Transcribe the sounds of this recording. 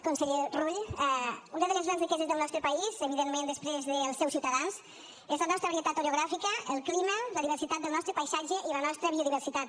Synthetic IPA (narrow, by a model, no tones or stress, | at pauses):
kunsəʎeruʎɛunəðələzɣɾanzrikɛzəzðəlˠnɔst̪ɾəpɐizəβiðemmẽnd̪əspɾezðəlˠsːɛwsiwt̪əðans | ezlənɔst̪ɾəβɾiət̪at̪oɾuɣɾafikəəlˠklimələðiβ̞əɾsit̪at̪̚d̪əlˠnɔst̪ɾəpajsad͡ʒəʔilənɔst̪ɾəβioðiβəɾsit̪at̪̚